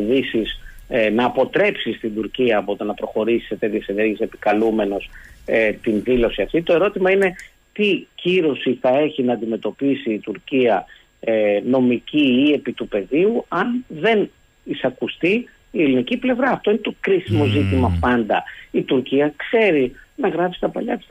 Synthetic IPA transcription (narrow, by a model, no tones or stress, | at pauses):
ðisisnɐːpo̞t̪ɾe̞psist̪ind̪uɾciɐːpot̪onɐpɾo̞xo̞ɾisi̥set̪e̞t̪ʝese̞ne̞ɾʝisepi̥kɐlume̞no̞set̪inðilo̞siɐft̪it̪o̞e̞ɾo̞t̪imɐine̞ | t̪iciɾo̞siθɐe̞çinɐːnd̪ime̞t̪o̞pisiːt̪uɾciɐ | no̞miciːe̞pit̪upe̞ðiuɐnðe̞n | isɐkust̪iː | eliniciple̞vɾɐːft̪o̞inet̪o̞kɾisimo̞zit̪imɐpɐnd̪ɐit̪uɾciɐkse̞ɾinɐɣɾɐpsi̥t̪ɐpɐ̰ʎɐt̪is